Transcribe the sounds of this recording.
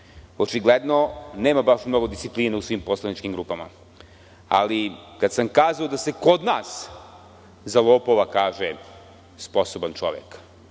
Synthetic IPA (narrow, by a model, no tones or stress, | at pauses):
ot͡ʃiɡled̪no̞neːmabaʃmno̞ɡo̞d̪ist̪ipliːnausʋimpo̞slˠanit͡ʃkimɡɾuːpama̰ | a̰likad̪samkaːzaod̪ase̞ko̞d̪naːs | zalˠoːpoʋakaːʒe | spo̞sobant͡ʃo̰ʋjḛk